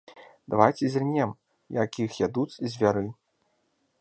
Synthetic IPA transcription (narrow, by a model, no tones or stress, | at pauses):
d̪avajt͡sʲizʲrnʲɛm | jakʲixjad̪ut͡sʲzʲvʲaɾɨ